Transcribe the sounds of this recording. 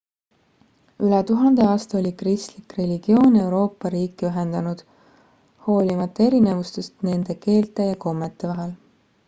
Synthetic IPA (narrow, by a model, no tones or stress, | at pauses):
ylɛt̪uɦɑnd̪̥e̞ɑːst̪ɑo̞lʲikrist̪likre̞lʲiɡ̥io̞ːne̞wɾo̞ːpːɑɾiːkːˑiyɦend̪̥ɑnud̪̥ | ho̞ːlʲimɑt̪ːˑɑe̞ɾine̞vust̪est̪ne̞nd̪̥e̞ke̞ːlt̪ːˑe̞jɑko̞mːet̪ːˑe̞vɑɦɛl